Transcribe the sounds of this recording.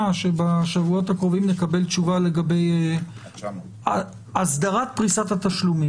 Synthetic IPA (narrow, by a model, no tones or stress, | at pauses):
ʃe̞baʃavuo̞thakʁo̞vimnekabe̞lt͡ʃuvale̞ɡabe̞j | asd̪aʁat̪̚pʁisat̪at̪aʃlumi